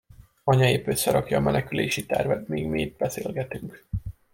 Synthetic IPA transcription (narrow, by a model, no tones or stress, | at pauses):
ɒɲɒjipø̞sːɛɾɒkjɒːmʔɛnɛkyleːʃit̪ɛrvɛt̪miːɡmiːd̪̚bɛseːlɡɛt̪yŋk